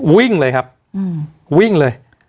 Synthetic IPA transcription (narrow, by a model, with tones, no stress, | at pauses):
wi˥˩ŋləː˧jkʰa˦˥p̚ː | wi˦˥˩ŋlɤː˧j